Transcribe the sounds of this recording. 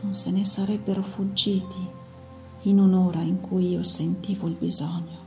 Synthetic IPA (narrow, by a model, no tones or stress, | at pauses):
nonsenesaɾɛbːeɾofud͡ʒːiːt̪ʰiː | nunoːɾaiŋkujiːosent̪iːvoilbizoɲːo